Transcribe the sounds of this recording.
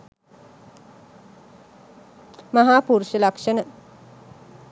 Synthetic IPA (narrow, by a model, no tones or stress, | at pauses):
maɦaːpuɾuʃəlakʂənə